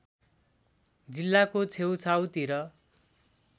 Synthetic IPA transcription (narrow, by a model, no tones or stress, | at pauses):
d͡zilːakot͡sʰewt͡sʰawt̪iɾʌ